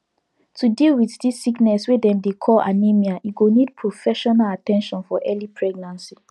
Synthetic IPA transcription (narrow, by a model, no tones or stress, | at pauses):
tʰudilwiðdisːiknɛswedɛ̃mdekʰɔla̰nimiaiɡonid̚pʰɹofɛʃɔnalatɛ̃nʃɔ̃nfɔʔɛlipʰɹɛɡ̚nãnsi